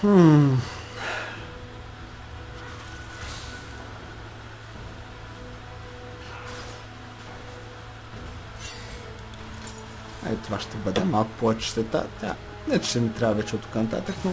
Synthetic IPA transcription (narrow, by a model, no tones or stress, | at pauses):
a̰it̪ovaʃt̪ɛbəd̪ɛmalˠkʊ̥povɛt͡ʃt̪ɛt̪a̰t̪ʲa̰ | nɛt͡ʃʃt̪ɛnɛt̪ɾʲavɐvɛt͡ʃɛot̪ːo̥kanɐt̪a̰t̪əkn